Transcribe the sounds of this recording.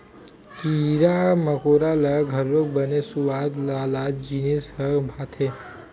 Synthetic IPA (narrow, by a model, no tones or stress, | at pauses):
kiɾaməkoɾalaɡʱəɾːok̚bənesuʋad̪laːlad͡ʒinishəbʱat̪ʰe